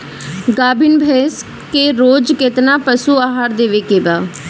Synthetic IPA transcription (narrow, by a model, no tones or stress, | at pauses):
ɡaːbʱɪnbʱeːs | keːɾoːd͡ʒkɪt̪naːpəsuːaːɦaːɾd̪eːʋeːkeːbaː